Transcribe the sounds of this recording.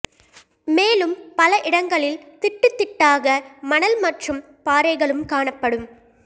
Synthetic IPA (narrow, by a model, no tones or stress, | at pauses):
meːlɯmpɐlɐʔɪɽɐŋɡɐɭɪlt̪ɪʈːɯt̪ːɪʈːaːɣɐmɐnɐlmɐʈrɯm | paːɾɐɪɣɐɭɯmkaːɳɐpːɐɽɯm